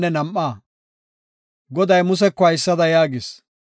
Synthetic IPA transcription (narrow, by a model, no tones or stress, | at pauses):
nːɛnɐmʔːaː | ɡɔd̪ɐjmʊs̬ɛkːɔɐjɪsːɐd̪ɐjaːɡɪs